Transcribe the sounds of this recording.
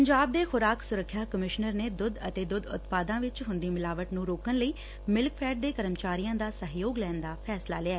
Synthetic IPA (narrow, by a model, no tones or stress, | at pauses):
pəɲd͡ʒaːb̚d̪eːxʊɾaːksʊɾəkʰːjaːkəmɪʃnəɾneːd̪ʊd̪ət̪eːd̪ʊd̪ʊ̰t̪paːd̪ãːʋɪt͡ʃɦʊnd̪iːmɪlaːʋəʈnũːɾoːkənləiː | mɪlkpʰɛːʈ̚d̪eːkəɾəmt͡ʃaːɾiːjãːd̪aːsəɦjoːɡlɛːnd̪aːpʰɛːsla̰ːleaɛː